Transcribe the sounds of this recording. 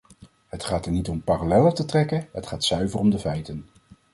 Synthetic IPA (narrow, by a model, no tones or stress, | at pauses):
ɦətχaːtəɹnitɔmpaːralɛlətətrɛkəɦətχaːtsœɥvərɔmdəvɛjtən